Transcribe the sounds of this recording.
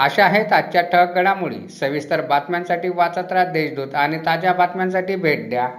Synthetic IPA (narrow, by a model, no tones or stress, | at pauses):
əɕaɦet̪at͡ɕjaʈʰək̚ɡəɽamuɭḭːsəʋist̪əɾbat̪mjansaʈiːʋat͡sat̪ɾad̪eɕd̪uːt̪añit̪ad͡ʑjabat̪mjansaʈiːbʱeʈ̚d̪ja